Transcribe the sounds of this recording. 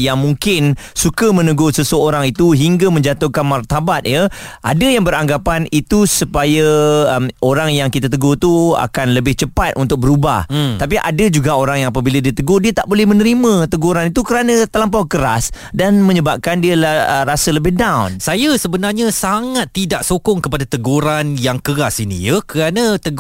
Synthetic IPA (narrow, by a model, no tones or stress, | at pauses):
jaŋmuŋkɪnsukəmə̃nəɡosəsəoɾaŋit̪uɦiŋɡamə̃ɲd͡ʒat̪ʊhkanmart̪abat̪̚jəʔa̰dajaŋbəɾaŋɡapanit̪usəpajaəmoɾaŋjaŋkit̪at̪̬əɡot̪ua̰kanləbɪht͡ʃəpat̪̚ʔunt̪ʊk̚bəɾuba̰ht̪ap̬iʔa̰dəd͡ʒuɡaoɾaŋjaŋapəbiladiət̪əɡodiət̪aʔbolɛhmə̃nəɾimə̃t̪əɡoɾanit̪ukəɾanə̃t̪alamp̬awkəɾa̰sdanmə̃ɲəbap̚kandiəlaəɾasələbɪhdawnsajasəbənarɲãsaŋat̪ːidaʔsokʊŋkəpadat̪əɡoɾanjaŋkəɾasinḭjəkəɾanat̪əɡ